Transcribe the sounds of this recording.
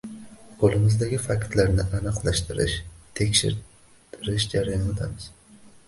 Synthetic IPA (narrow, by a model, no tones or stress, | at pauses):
qʰolˠɪmɪzd̪aɡʲɪfakʲt̪laɾnɪʔanɨqlˠaʃt̪ʰɪɾɪ̰ʃt̪ʰe̞kʲʃɪ̰ɾ | t̪ʰɪɾɪʃd͡ʒaɾajɒnt̪ʰamɪz̥